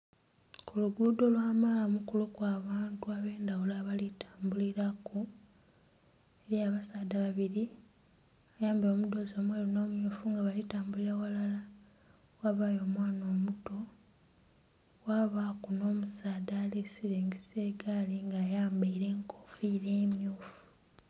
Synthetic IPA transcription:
kuluɡuːdo̞lwaːmaːlamukulukwaːβaːntuaβe̞ːndawulaːβalitaːmbuliɾaku | eɾiaβasaːdaβaβiɾi | ajaːmbeo̞ːmudo̞zoːmweːlono̞ːmjofuŋɡaβalitaːmbuliɾawalala | waβaːjo̞ːmwaːno̞ːmuto̞ | waβakuno̞ːmusaːdalesiɾeːŋɡiseɡaliŋɡaːjaːmbaiɾe̞ːŋkʰofiɾe̞ːmjoːfu̥

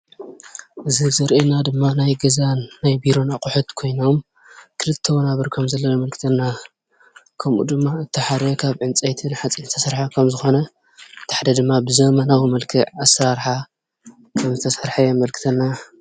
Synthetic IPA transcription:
ʔɨzizɐɾʔenad̪ɨmːanajɡɐzanːajbiɾo̞naqʼuħut̪kʰo̞jno̞m | kʰɨlɨt̪ʰːɐwɐnaβɨɾkʰɐmzɐlːɐnɐmɐlkʰɨ̥t̪ʰɐnːa | kʰɐmʔṵd̪ɨmːaɨt̪ʰːɨħaɾɐkʰaβʕɨnt͡sʼɐjt̪ʰinħat͡sʼint̪ʰɐsɐɾħakʰɐmzɨxo̞nɐ | t̪ʰḁħd̪ɐd̪ɨmːabɨzɐmɐnawimɐlkʰɨʕasɐɾaɾħa | kʰɐmzɨt̪ʰɐsɐɾħajɛmɐlkʰɨ̥t̪ʰɐnːa

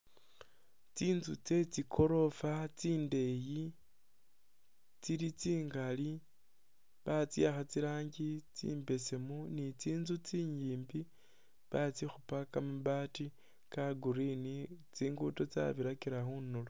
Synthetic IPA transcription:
t͡siːnzut͡se̞t͡sikʰo̞ɾo̞fat͡siːnde̞ji | t͡siɾit͡siːŋɡali | βat͡siaxat͡siɾaːɲɟit͡sḭːmbe̞semunit͡siːnzut͡siːɲiːmbi | βat͡sixupakamuβati | kaɡuɾinit͡siːŋɡutot͡sa̰βiɾakiɾaxunolo

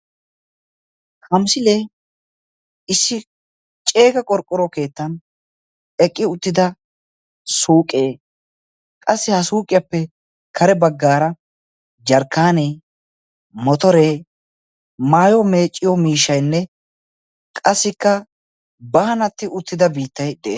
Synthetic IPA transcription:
kʰɐmsɪleː | ɪsːɪ | t͡ʃʼe̞ːkɐkʼɔɾkʼːɔɾɔke̞ːt̪ːɐn | ɛkʼːɪʊt̪ːɪd̪ɐ | suːkʼeː | kʼɐsːɪhɐsuːkʼɪjɐpːɛ | kʰɐɾɛbɐɡːaːɾɐ | d͡ʒɐɾkːaːneː | mɔt̪ɔɾeː | maːjɔme̞ːt͡ʃʼːɪjɔmiːʃɐjnːɛ | kʼɐsːɪkːɐ | bɐhɐnɐt̪ːɪʔʊt̪ːɪd̪ɐbiːt̪ːɐjd̪ɛʔe

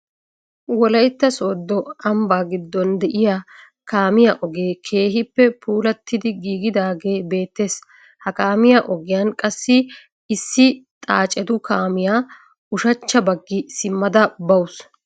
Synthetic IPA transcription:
wɔlɐjt̪ːɐso̞ːd̪ːɔɐmbaːɡɪd̪ːɔnd̪ɛʔɪjaː | kaːmɪjaʔɔɡe̞ːkʰe̞ːɦɪpːɛpʰuːlɐt̪ːɪd̪ɪɡiːɡɪd̪aːɡe̞ːbe̞ːt̪ːe̞ːs | hɐkaːmɪjaʔɔɡɪjɐnkʼɐsːɪ | ɪsːɪt̪ʼaːt͡ʃʼːɛd̪ʊkaːmɪjaː | ʊʃɐt͡ʃːɐbɐɡːɪsɪmːɐd̪ɐbɐwʊs

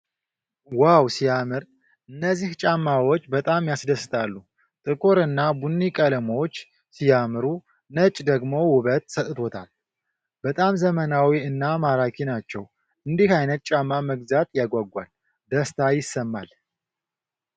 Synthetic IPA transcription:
wawsijamɨɾ | ʔɨnːəzːiht͡ʃʼamːawot͡ʃːbət̪ʼamjasd̪əsːɨt̪ʰʼalːu | t̪ʼɨkʼoɾɨnːabunːikʼələmot͡ʃː | sijamɨɾu | nət͡ʃʼd̪əɡmo̞wʊβət̪sət̪ʼɨt̪ʰot̪ʰa̰l | b̥ət̪ʼamzəmənawiɨnːamaɾakʰinat͡ʃːɛw | ʔɨnd̪ihajnət̪̚t͡ʃʼamːaməɡzat̪jaɡʷaɡʷa̰l | d̪əst̪ʰajɪsːəmːa̰l

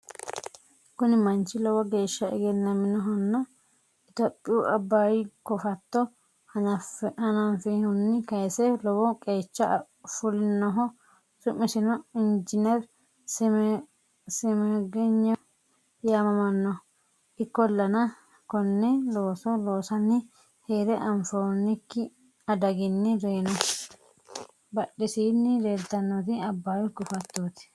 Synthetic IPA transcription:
kʊnɪmɐnt͡ʃːɪlɔwɐɡe̞ːʃːɐɪ̰ɡɛnːɐmɪnɔɦɔnːɐ | ɪt̪opʼːɪjuʔɐbːaːjɪkɔfɐt̪ːɔ | hɐnɐfɐnɐnfɪhʊnːɪkɐjsɛlɔwɔkʼeːt͡ʃːɐ | fʊlɪnːɔɦɔ | sʊmːɪsɪnɔɪnd͡ʒɪnɛɾ | sɪmɛɡɪɲːɛ | jaːmɐmɐnːɔ | ʔɪkːɔlːɐnɐ | kɔnːɛlo̞ːsɔlo̞ːsɐnːɪ | heːɾɛʔɐmfoːɾnɪkːɪ | ɐd̪ɐɡɪnːɪɾeːnɔ | bɐɗːɪsiːnːɪdeːt̪ːɐnːɔt̪ɪɐbːaːwɪɡʊfɐt̪ːoːt̪ɪ̥

